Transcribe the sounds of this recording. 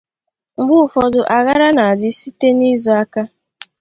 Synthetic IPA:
ŋ͡m̩˨ɡ͡bʊ˦˨fɔ˨dʊ˨ʔa˨ɣa˦ɾa˦na˨a˨d͡ʒɪ˦si˦te˦ni˦zɔ˨a˦ka˦

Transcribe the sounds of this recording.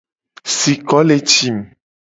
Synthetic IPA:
si˨kɔ˨˦le˨t͡ʃi˦m˨

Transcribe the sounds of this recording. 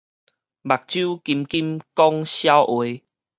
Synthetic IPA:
ba˨˩k̚t͡ɕju˦ki˧mki˦mkɔ˦ŋɕja˦wʔwe˨˦

